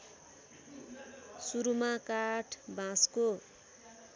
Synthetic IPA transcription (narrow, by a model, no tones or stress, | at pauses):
suɾumakaʈʰbãsko